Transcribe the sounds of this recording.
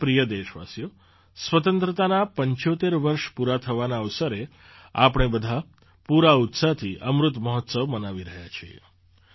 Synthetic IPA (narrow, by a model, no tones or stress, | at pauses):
pɾijəd̪eʃʋa̰sjo | sʋət̪ənt̪ɾət̪anapəɲt͡ʃot̪eɾʋəɾʃpuɾat̪ʰəʋanaəʋsəɾe | apɽ̃ebəd̪ʱa | puɾaut̪sat̪ʰiʔəmɾʊt̪məɦɔt̪səʋmənaʋiɾəɦja̰t͡ʃʰiḛ